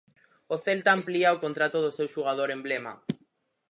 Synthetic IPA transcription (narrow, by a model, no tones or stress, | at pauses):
oθelt̪aːmpliaokont̪ɾat̪oðosewʃuɣað̞oɾemblema̰